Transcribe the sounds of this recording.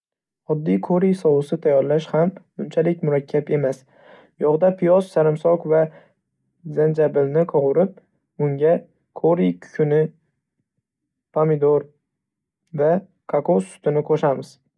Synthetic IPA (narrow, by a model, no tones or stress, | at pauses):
ɒd̪ːijkʰoɾijsɒwɨsɪt̪ʰajɒɾlaʃham | ʊnt͡ʃʰalɪk̚ʲmʊɾakʲʰːape̞mas | jɒʁd̪apʰɪjɒzsaɾɪmsɒkva | zand͡ʒabɪlnɪqʰoʁʊɾɪp̚ | ʊŋɡʲa | kʰoɾijkʰʊ̥ʃʰʊnɪ | pʰamɪd̪oɾ | va | kʰakʰosʊ̥t̪ɪnɪqʰoʃamɪz̥